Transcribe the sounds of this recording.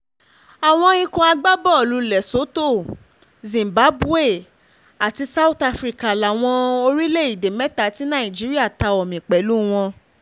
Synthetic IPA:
a˨w̃ɔ̃˧ĩ˧kũ˧a˧ɡ͡ba˦bɔ˦˨lu˨˧˦lɛ˨so˨˦to˦˨ | zĩ˨m˨ba˨˦bu˦e˦˨ | a˨ti˧sa˦u˦ta˧fɾi˨˦ka˨la˨w̃ɔ̃˧o˧ɾi˦le˦˨i˨de˨mɛ˦ta˦ti˨˦nã˦˨ĩ˨d͡ʒi˨˦ɾi˦a˦˨ta˧ɔ˨mĩ˨k͡pɛ˨˦lu˨˦w̃ɔ̃˧

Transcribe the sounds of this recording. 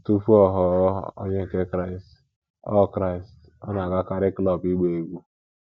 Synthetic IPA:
tu˦fu˦ɔ˦ɦɔ˦o̰˦ɲe˦˨ke˦kɾa˦ɪ˨st | ɔ̰˦˨kɾa˦i˨st | ɔ˦na˨ɡa˦ka˨ɾɪ˦klɔ˨pi˦ɡ͡be˨e˨ɡʷu˦

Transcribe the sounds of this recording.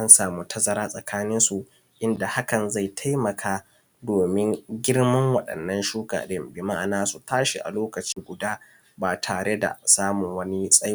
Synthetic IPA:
ʔa˦nsaː˨muː˦tʰɐ˦zɐ˨ɾaː˦sʼɐ˨kʰaː˦nɪ˦nsu˨ʔ | ʔɪ˦nda˨ha˦kɐ˨nza˦˨jtʰa˦jmɐ˨kʰaː˦ | doː˨mɪ˦ŋɡʲɪ˦ɽmɐ˦ŋwɐ˨ɗɐ̰˨nːɐ˦nʃuː˦ka̰˨ɗɪ˦mbɪ˨ma˦˨naː˦su˨tʰaː˦ʃi˨ʔa̰˨loː˦kɐ˨t͡ʃiː˦ɡʷʊ˨daː˦ | baː˨tʰaː˨ɽe˦da̰˨saː˦mʊ˨ŋwɐ˦ni˦sʼɐ˦j

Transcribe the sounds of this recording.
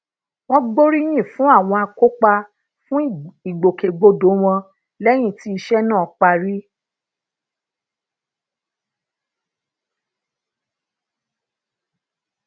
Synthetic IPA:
w̃ɔ̃˦ɡ͡bo˦ɾi˦j̃ĩ˦˨fũ˨˦a˦˨w̃ɔ̃˧a˧ko˦k͡pa˧ | fũ˦i˨ɡ͡bo˨ke˨ɡ͡bo˧do˨˦w̃ɔ̃˧ | lɛ˦j̃ĩ˦˨ti˨˦i˧ʃɛ˦nãː˦˨k͡pa˧ɾi˦

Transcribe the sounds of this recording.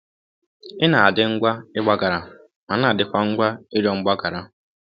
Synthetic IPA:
ɪ˦na˨a˨dɪ˦ŋ̩˦ɡʷa˦ɪ˦ɡ͡ba˦ɡa˨ɾa˨ | ma˨na˦˨dɪ˦kʷa˦ŋ̩˦ɡʷa˦ɪ˦ɾɔ˦ŋ͡m̩˦ɡ͡ba˦ɡa˨ɾa˨

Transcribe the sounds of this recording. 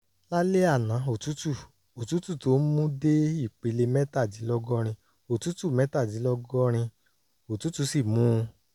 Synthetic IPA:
la˦le˦a˦˨nã˨˦o˨tu˨˦tu˦˨ | o˨tu˨˦tu˦˨to˨˦n̩˦mũ˦de˦i˦˨k͡pe˨˦le˧mɛ˦ta˦˨d͡ʒi˨˦lɔ˦ɡɔ˦ɾ̃ĩ˧ | o˨tu˨˦tu˦˨mɛ˨˦ta˦˨d͡ʒi˨˦lɔ˦ɡɔ˦ɾ̃ĩ˧ | o˨tu˨˦tu˦˧˦si˦˨mũ˨˦˧

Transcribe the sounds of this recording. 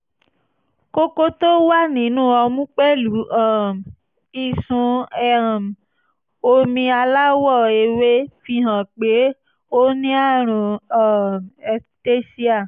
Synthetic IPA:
ko˦ko˦to˦wa˦nĩ˨˦nũː˦ɔ˧mũ˦k͡pɛ˦lu˨˦ã˦˨m˨ | i˨sũ˧ɛ˨ɾã˨m˨ | o˧mĩ˧a˧la˦wɔ˦˨e˧we˦fi˧ɦã˨k͡pe˨˦ | o˦nĩ˦a˦˨ɾ̃ũ˧ã˦˨m˨ɛ˧te˦si˦a˦˨

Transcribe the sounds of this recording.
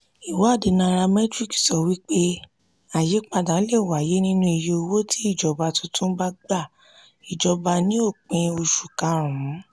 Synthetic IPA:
i˨wɔ˨˦a˦˨de˨˧nã˧ɾa˧mɛ˦tɾi˦˨ksɔ˧wi˦k͡pe˦ | a˨je˨˦k͡pa˧da˨˦le˦˨wa˨je˨˦nĩ˦nũ˦i˧jo˧o˧wo˦tʰi˦i˦˨d͡ʒɔ˨˦ba˧tũ˦tʰũ˦ba˦ɡ͡ba˦˨ | i˨d͡ʒɔ˧ba˧nĩ˦o˦˨k͡pĩ˧o˧ʃu˨kã˧˦ɾ̃ũ˨˦

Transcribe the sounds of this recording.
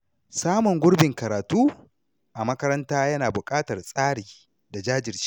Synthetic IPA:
saː˦mʊ˨ŋɡʷʊ˦ɽbɪ˨ŋkɐ˨ɾaː˨tuː˦ | ʔa˨mɐ˦kɐ˦ɾɐ˦ntaː˦jɐ˦naː˨bʊ˨kʼaː˦tɐ˨rsʼaː˦ɽiː˨ | da˨d͡ʒaː˦d͡ʒɪ˨rt͡ʃi̥˦

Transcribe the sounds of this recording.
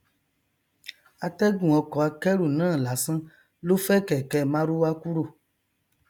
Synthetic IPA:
a˨t̪ɛ˦ɡũ˨ɔ˧kɔ˨a˧kɛ˦ɾu˨nãː˦˨la˨sã˦ | lo˦fɛ˦kɛ˨kɛ˨mã˦ɾu˦wa˦ku˦ɾo˦˨

